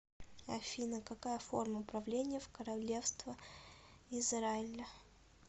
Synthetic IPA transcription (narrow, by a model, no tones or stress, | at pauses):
ɐ̰fʲinəkɐkajəfo̞̰rməpɾɐvlʲenʲɪjəfkəɾɐlʲe̞fst̪və | ɪzɾaɪlʲə